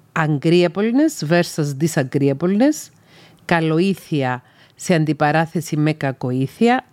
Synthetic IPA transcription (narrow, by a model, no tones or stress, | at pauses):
ɐŋɡɾiɐpolnezve̞ɾsɐzd̪isɐŋɡɾiɐpolnes | kɐlo̞iθiɐ | seɐnd̪ipɐɾɐθe̞sime̞kɐko̞iθiɐ